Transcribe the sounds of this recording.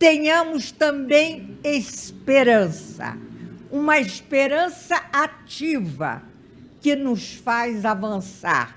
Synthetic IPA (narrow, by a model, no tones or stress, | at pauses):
t̪ẽɲɐ̃mʊst̪ɐ̃bẽj̃espeɾɐ̃sɐ̰ũmɐespeɾɐ̃sɐat͡ʃivɐ̰ | kɪnʊsfajzavɐ̃sa̰ɾ